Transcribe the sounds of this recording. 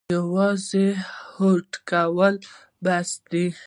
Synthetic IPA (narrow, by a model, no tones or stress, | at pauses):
awɑzehoʈkawəl | bast̪i